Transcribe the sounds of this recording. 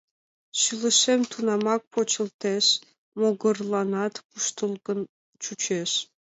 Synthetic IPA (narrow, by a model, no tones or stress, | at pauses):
ɕɯlə̆ʃemt̪unɑmɑk̚pot͡ɕə̆lt̪eʃ | moɣɤ̆rlˠɑnɑt̪kuʃt̪ɤlˠɡə̆n | t͡ɕut͡ɕeʃ